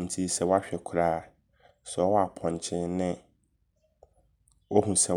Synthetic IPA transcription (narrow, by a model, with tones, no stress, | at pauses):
n̩˨tʰi˦sɛ˨wɔ˦a˦ɕᶣɛ˨kʰʊ˨ɾaː˦˨ | sɛ˨ɔ˦ɔ˦a˨pʰɔ̃˨ɲ˨t͡ɕʰɪ̃˦nnɪ̃˦ | o˦ɦũ˨sɛ˨